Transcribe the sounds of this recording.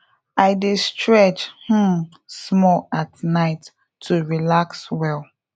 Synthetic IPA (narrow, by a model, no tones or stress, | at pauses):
aɪdestʰɹɛt͡ʃh̩ | smɔlatnaɪtʰː | uɹilakswɛl